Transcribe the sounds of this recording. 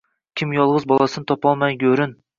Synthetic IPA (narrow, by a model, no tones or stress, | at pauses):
kʲʰimjɑlˠʁɨzbɑlˠɑsɨnɨt̪ʰɑpɑlˠmɑjɡʲøɾyn